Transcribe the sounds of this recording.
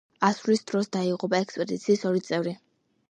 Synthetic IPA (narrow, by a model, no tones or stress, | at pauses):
aslisd̪ɾɔsd̪aiqʼɔpʼaɛkspʼɛd̪it̪sʰiːsɔɾit̪sʼɛvɾi